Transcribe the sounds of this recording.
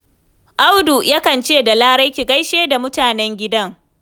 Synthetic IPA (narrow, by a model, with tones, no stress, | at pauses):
ʔa˦wdu˨jʔa˦kɐ˨nt͡ʃeː˦˨da˨laː˦ɽɐ˦jkʲi˨ka˦jʃeː˦da˨mʊ˦taː˨nɛ˦ŋɡʲɪ˦dɐ˦ŋ